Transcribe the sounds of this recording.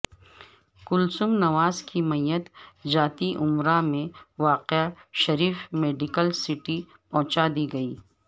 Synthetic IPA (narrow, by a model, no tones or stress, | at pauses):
kʊlsʊmnɐʋaːzkimɐjːət̪d͡ʒaːt̪iʔʊmɾamẽʋaːqeaʃɐɾiːfmeːɖɪkəlsɪʈi | pɐ̃ɦʊ̃t͡ʃad̪iɡɐiː